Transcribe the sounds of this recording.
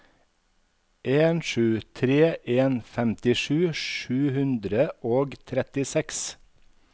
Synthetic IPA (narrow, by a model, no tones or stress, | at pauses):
ʔeːnʃʉːt̪ʰɾeːʔeːnfɛmt̪ɪʃʉːʃʉːhʉnd̪ɾəʔoːɡt̪ʰɾɛt̪ɪsɛks